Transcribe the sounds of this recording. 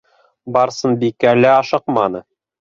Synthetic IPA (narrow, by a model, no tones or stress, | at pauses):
bɑɾsɤnbikælæɑʃɤqmɑnɤ